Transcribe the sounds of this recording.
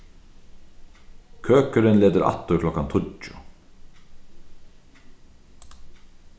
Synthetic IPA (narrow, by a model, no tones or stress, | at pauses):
kʰøːkəɾɪnleːt̪əɾa̰t̪ːʊkʰlɔkːant̪ʰʊt͡ʃʊ